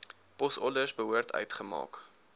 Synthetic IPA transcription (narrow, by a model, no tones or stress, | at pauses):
pɔsɔləsbəɦuərtʰœ̰ɥtχəmɑ̰ːk